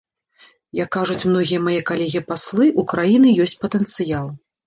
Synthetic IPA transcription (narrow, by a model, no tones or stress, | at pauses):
jɐkːaʐut͡sʲmnɔɣʲijɐmajɛkalʲɛɣʲipaslˠɨʔukɾajinɨjɔsʲt͡sʲpɐt̪ɛnt̪sɨjalˠ